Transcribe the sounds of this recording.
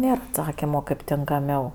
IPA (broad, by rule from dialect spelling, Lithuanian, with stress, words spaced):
ˈnʲeːr ɐtˈsɑːkʲɪmoː kɐɪp tʲɪŋkɐˈmʲɛʊ